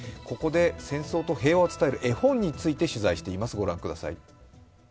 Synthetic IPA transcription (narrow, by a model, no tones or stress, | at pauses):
ko̞ko̞d̪e̞sẽ̞ɰ̃so̞ːt̪o̞he̞ːβaot͡sɨ̥t̪aeɾɯ̟ʔe̞hõ̞ɲ̟ːit͡sɨit̪e̞ɕizaiɕi̥t̪e̞imasɨɡo̞ɾã̰ŋkɯ̟d̪asa̰ḭ